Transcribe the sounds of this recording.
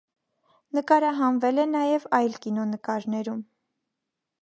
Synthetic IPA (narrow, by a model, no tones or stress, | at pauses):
nəkɑɾɑɦɑnvɛlɛnɑjɛvɑjlkinɔnəkɑɾnɛɾum